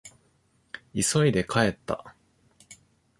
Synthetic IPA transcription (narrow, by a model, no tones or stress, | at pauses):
iso̞id̪e̞kae̞t̪ːa̰